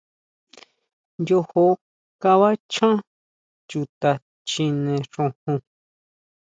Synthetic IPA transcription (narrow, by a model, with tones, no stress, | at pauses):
nd̪ʲo˧ho˧ | ka˧βa˦t͡ʃʰã˦ | t͡ʃu˧t̪a˧ | t͡ʃĩ˧nẽ˧ʂõ˧hũ˧